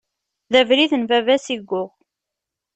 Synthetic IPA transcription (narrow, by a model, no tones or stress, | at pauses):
ðævɾiθənvævæsiɡʷːʊʁ